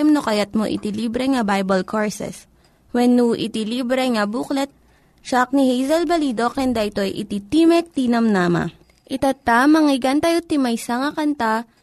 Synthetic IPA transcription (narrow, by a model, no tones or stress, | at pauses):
jmnokɐjat̪̚mo̰ʔɪ̰t̪iliːbɾɛŋɐbajbɐlkʰoɹsɛ̰s | wɛnːuʔɪ̰t̪iliːbɾɛŋɐbuːklɛt̪̚ | ʃak̚nihejzɛlbɐliːd̪okɛnd̪aʔɪt̪o̞jʔɪ̰t̪it̪iːmɛk̚t̪iːnɐmnaːmɐ̰ | ʔɪt̪at̪amɐŋɪɡɐnt̪ajot̪ɪmɐjsɐŋɐkɐnt̪a